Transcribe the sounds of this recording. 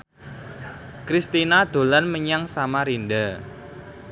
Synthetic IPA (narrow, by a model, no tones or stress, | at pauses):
kɾist̪inad̪̥o̤lanməɲaŋsamaɾinda